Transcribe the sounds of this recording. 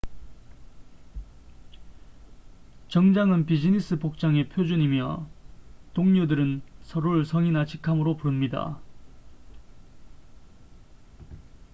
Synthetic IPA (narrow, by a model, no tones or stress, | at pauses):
t͡ɕʌŋd͡ʑaŋɯnpid͡ʑinis͈ɯpok̚t͡ɕ͈aŋe̞pʰjod͡ʑuɲimjʌ̰ | toŋɲudɯɾɯnsʰʌɾuɭsʰʌŋinat͡ɕʰi̥kʰamɯɾopuɾɯmɲida̰